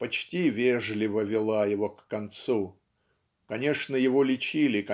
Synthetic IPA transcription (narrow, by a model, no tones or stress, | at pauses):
pɐt͡ɕtʲivʲeʐlʲɪvəvʲɪlˠajɪvo̞kːɐnt̪su | kɐnʲe̞ʂnəjɪvo̞lʲɪt͡ɕilʲɪkɐ